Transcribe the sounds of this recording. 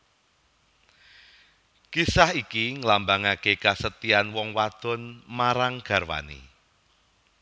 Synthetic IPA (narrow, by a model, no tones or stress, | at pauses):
kisahikiŋəlambaŋakekasət̪ianwɔŋwad̪̥ɔ̤nmaɾaŋɡ̥a̤rwa̰nḭ